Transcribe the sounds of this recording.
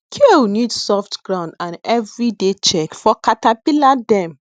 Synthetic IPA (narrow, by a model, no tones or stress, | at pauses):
kʰenidsɔftɡ̥ɹãʊ̃ndãnɛvɹidet͡ʃɛkfɔkatapiladɛ̃m